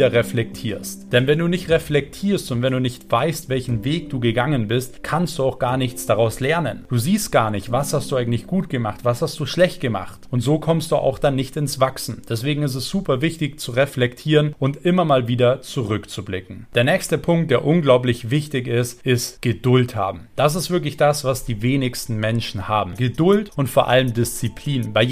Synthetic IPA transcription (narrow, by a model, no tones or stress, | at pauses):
dɐʁɛflɛk̚tʰiːɐstd̥ɛnvɛnduːnɪçtʁɛflɛktʰiːɐstʊntvɛnduːnɪçtv̥aɪstvɛlçn̩veːk̚d̥uːɡəɡaŋənbɪstkʰanst̚d̥uːaʊxɡ̥aːɐnɪçt͡sd̥aʁaʊslɛɐnənd̥uːziːst̚ɡ̥aːɐnɪçtv̥ashast̚d̥uːaɪŋ̩tlɪçɡ̥uːtɡ̥əma̰χtv̥ashastd̥uːʃlɛçt̚ɡ̥əma̰χtʊntz̥oːkʰɔmstd̥uːʔa̰ʊxd̥anːɪçtɪnsv̥aksn̩d̥ɛsv̥eːɡŋ̩ɪs̬tɛsz̥uːpɐvɪçtɪçt͡suʁɛflɛktʰiːʁənʔʊntʔɪmɐmaːlviːdɐt͡suʁʏkt͡sublɪkŋ̩d̥eːɐnɛːçstəpʰʊŋk̚t̚d̥eːɐʔʊnɡlaʊp̬lɪçv̥ɪçtɪçɪstʔɪstɡ̥ədʊltha̰ːbm̩d̥as̬ɪstv̥ɪɐklɪçd̥asv̥asd̥iːveːnɪçstn̩mɛnʃn̩haːbm̩ɡədʊltʔʊntfoːɐʔa̰ləmdɪst͡sipʰl̥iːnbaɪ